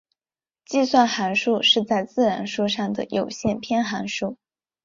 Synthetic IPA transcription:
t͡ɕi˥˧swa˥˩nxa˧˥nʂu˥˧ʂɻ̩˥˧t͡sa˥˧ɪt͡sɹ̩˥˩ɻa˧˥nʂu˥˧ʂɑ˥˩ŋd̪ə̰˩jo˨˩ʊɕjɛ˥˩npʰjɛ˥nxa˧˥nʂu˥˩

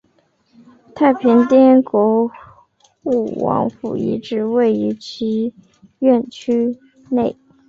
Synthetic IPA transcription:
t̪ʰa˥˩ɪpʰi˧˥ŋt̪jɛ˥nkwɔ˧˥ | u˥˩wɑ̰˧˥ŋfṵ˨˩ḭ˧˥ʈ͡ʂɻ̩˧˥we˥˩ɪy˧˥t͡ɕʰi˧˥ | ɥɛ˥˩nt͡ɕʰy˥ | ne˥˩ɪ

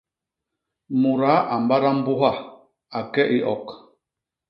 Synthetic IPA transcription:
mu˨ɾa˨˦ʔa˨m˨ba˦ɾa˦m̩˦bu˦ɦa˦˨ | a˨kɛ˦ʔi˦ʔɔ˨k

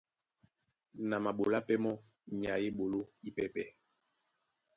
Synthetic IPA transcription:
na˨ma˨ɓo˨la˦pɛ˦mɔ˦ | ɲ˨a˨je˦ɓo˨lo˦i˦pɛ˦pɛ˦

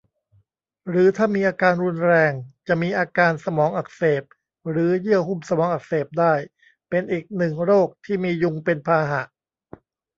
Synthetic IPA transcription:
ɾɯː˩˦t̪ʰaː˥˩miː˧ʔaː˧kaː˧nɾu˧nɾɛː˧ŋt͡ɕa˨˩ʔmiː˧ʔaː˧kaː˧nsa˧mɔː˩˦ŋʔa˨˩k̚seː˨˩p̚ | ɾɯː˩˦jɯ˥˩əhu˥˩msa˧mɔː˩˦ŋʔa˨˩k̚seː˨˩p̚daː˥˩j | pe˧nʔiː˨˩k̚nɯ˨˩ŋɾoː˥˩k̚t̪ʰiː˥˩miː˧ju˧ŋpe˧npʰaː˧ɦa˨˩ʔ

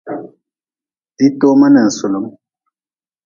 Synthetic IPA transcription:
di˦t̪o˦ma˦na˨sʊ˨lʊ˨˦m

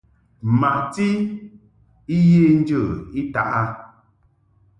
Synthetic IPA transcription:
ma˨ʔti˦ | i˦je˦n˦d͡ʒə˦˨i˦ta˨ʔa˦

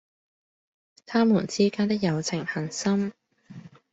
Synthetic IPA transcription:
t̪ʰaː˥muː˨˩nt͡siː˥kaː˥nt̪ɪ˥k̚jɐ˨˧wt͡sʰɪ˨˩ŋhɐ˨˩nsɐ˥m

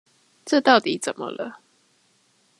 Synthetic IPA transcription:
ʈ͡ʂə˥˧t̪ɑ˥˨ʊt̪i˨˦t͡sə˨˩mə̰˦lə˦

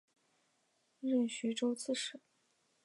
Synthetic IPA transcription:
ɻə˥˩nɕy˧˥ʈ͡ʂo˥ʊt͡sʰɹ̩˥˩ʂɻ̩˨˥˩

